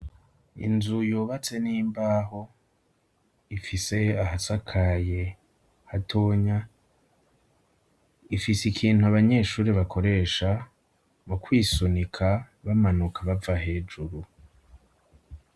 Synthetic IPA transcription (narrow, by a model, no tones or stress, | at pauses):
ḭnzujoːβat͡se̞niːmbaːɦo̞ | ifise̞ahasakʰaje̞ | hatʰo̞ːɲa | ifisikʰiːnhuaβaɲe̞ːʃuːɾeβakʰo̞ɾe̞ːʃa | mukwiːsonikʰa | βamanukʰaβavahe̞ːd͡ʒuɾu